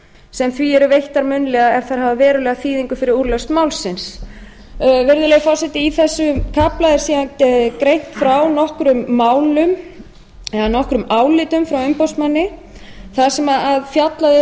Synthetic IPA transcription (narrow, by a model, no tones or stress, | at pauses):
sɛmθviɛɾʏvejht̪aɾmʏnlɛːɣaɛɾ̥θaɾ̥havavɛːɾʏlɛːɣaθiːðiŋkʏfɪɾɪɾuɾlœst̪maːwlsɪns | vɛɾðʏlɛɣfɔrsɛt̪ɪiθɛsːʏkʰaplaðɪɾ̥siːðankɾejn̥t̪fɾawnɔhkɾʏmːaːwlʏm | ɛɣanɔhkɾʏmaːwlɪːt̪ʏmfɾawʏmpowst̪manːɪ | θasɛmaaðfjat̪laðɪ